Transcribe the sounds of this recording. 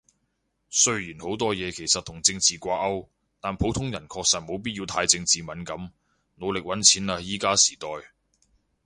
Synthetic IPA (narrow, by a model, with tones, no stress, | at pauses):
sɵ˥ɥjiː˨˩nho˨˥wt̪ɔː˥jɛː˨˧kʰe˨˩jsɐ˨t̚t̪ʰʊ˨˩ŋt͡sɪ˧ŋt͡siː˨kʷaː˧k̚ɐ˥w | t̪aː˨npʰo˨˥wt̪ʰʊ˥ŋjɐ˨˩nkʰɔː˧k̚sɐ˨t̚mo˨˧wp̬i˥t̚jiː˧wt̪ʰaː˧jt͡sɪ˧ŋt͡siː˨mɐ˨˥nkɐ˨˥m | no˨˧wlɪ˨k̚wɐ˨˥nt͡sʰiː˨˥naː˧jiː˨˧kaː˥si̥ː˨˩t̪ɔː˨j